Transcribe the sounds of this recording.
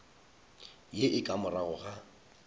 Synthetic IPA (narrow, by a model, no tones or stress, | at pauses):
jeʔɪkʼamʊraɣʊχa